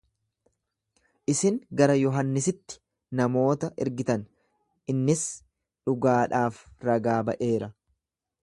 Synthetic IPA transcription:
ʔɪsɪŋɡɐɾɐjɔɦɐnːɪs̬ɪt̪ːɪ̥ | nɐmo̞ːt̪ɐʔɪɾɡɪt̪ɐn | ɪnːɪs | ᶑʊɡaːᶑaːfɾɐɡaːbɐ̰ʔe̞ːɾɐ

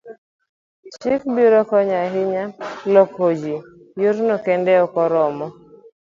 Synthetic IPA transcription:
t͡ʃɪk̚biɾɔkɔɲaɦɪɲalɔkhod͡ʒi | juɾnɔkɛndɛɔkɔɾɔmɔ

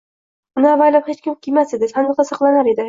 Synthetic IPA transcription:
ʊnɪavajlaphet͡ʃkʲʊmkʲʰimased̪ɪsanqɑsɑqlˠanaɾed̪ɪ

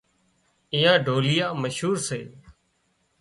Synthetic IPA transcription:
iːãːɖʱoːlɪjaːməʃɦuːɾseː

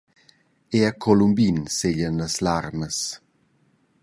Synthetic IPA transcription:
eakʰɔlumbinseʎənləslarməs

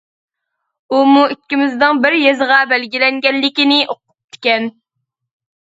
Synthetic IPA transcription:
umuikʲːimɪzd̪ɨŋbɪɾjezʁɑbɛlɡʲilɛŋɡʲɛlːɪkʲinɪʔoqʊ̥p̚t̪ʰɪ̥kʲɛn

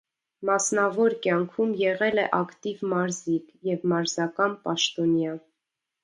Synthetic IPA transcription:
mɑsnɑvɔɾkjɑŋkʰumjɛʁɛlɛʔɑkt̪ivmɑɾzikjɛvmɑɾzɑkɑnpɑʃt̪ɔnjɑ

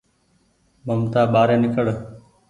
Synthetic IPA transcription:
məmt̪aːɓaːɾeːnɪkəɽ

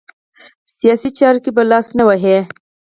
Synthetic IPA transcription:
sijɑsit͡ʃɑɾkibalɑsnawaɦe

